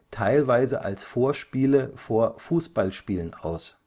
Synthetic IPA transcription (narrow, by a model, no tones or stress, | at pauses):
tʰaɪlvaɪzə̰ʔa̰lsfoːɐʃpiːləfoːɐfuːsb̥alʃpiːlənʔa̰ʊs